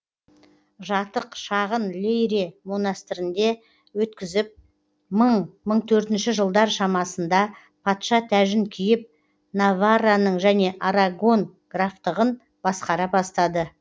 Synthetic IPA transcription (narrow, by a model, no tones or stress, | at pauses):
ʒɑt̪əqʃɑʁənlʲejɾemonast̪ɪɾɪnd̪e̞ | wɵt̪kʲɪzɪp̚ | məɴməɴt̪ʰɵɾt̪ɪnʃɪʒəlˠd̪ɑɾʃɑmɑsənd̪ɑ | pʰɑt̪ʃɑt̪ʰæʒɪŋkʲʰijɪp̚ | navaranəɴʒæne̞ʔaɾaɡo̞nɡ̥raft̪əʁən | b̥ɑsqɑɾɑbɑst̪ɑd̪ə